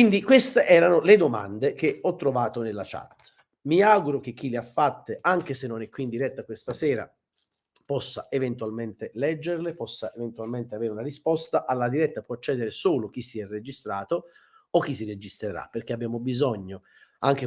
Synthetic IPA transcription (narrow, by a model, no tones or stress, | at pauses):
kind̪ikwest̪eʔɛːɾanoled̪oma̰nd̪ekeɔt̪ːɾovaːt̪onelːat͡ʃa̰t̪ː | miaɡuɾok̟ek̟ːileafːat̪ːeʔaŋk̟esenːonɛkːwiːnd̪iɾɛt̪ːakwest̪asɛːɾa̰ | pɔsːaʔevent̪ualment̪elɛd͡ʒːerlepɔsːaʔevent̪ualment̪eaveːɾeunarispɔst̪aʔalːad̪iɾɛt̪ːapwɔat͡ʃːɛːd̪eɾesoːlok̟isiɛrːed͡ʒist̪ɾaːt̪o | ok̟ːis̬ired͡ʒist̪ɾeɾa̰pːerk̟eabjaːmobizɔɲːo | aŋk̟e